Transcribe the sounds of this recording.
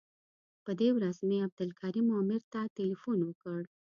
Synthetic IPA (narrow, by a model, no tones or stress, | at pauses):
pəd̪ewɾazmeab̚d̪ʊlkʰɑɾimɑmɪɾt̪atelifunwəkəɽ